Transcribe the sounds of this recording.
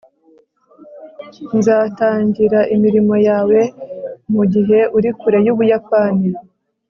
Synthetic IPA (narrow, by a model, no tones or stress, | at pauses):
nzaːtaːɲɟiɾaʔimiɾimo̞jaːwe̞muɟiɦe̞ʔuɾikuɾe̞juːβujapaːni